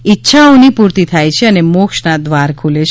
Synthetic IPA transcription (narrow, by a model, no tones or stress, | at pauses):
itːʃʰaõnipuɾt̪it̪ʰajt͡ʃʰeənemokʃnad̪ʋaɾkʰulet͡ʃʰ